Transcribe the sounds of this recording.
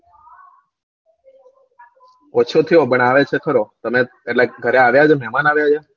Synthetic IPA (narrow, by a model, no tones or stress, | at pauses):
ɔt͡ʃʰot̪ʰijobəɳ̃aʋet͡ʃʰekʰəɾot̪əme | eʈleɡʱəɾeaʋjad͡ʒemɛmanaʋjad͡ʒe